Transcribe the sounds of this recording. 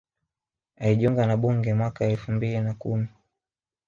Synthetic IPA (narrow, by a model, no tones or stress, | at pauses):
aliʄuŋɡanaɓuŋɡɛmwakaɛlfumbilinakumi